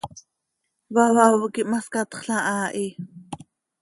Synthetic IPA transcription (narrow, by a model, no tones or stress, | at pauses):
wawawkiʔmaskɑt̪χɬaʔaːʔi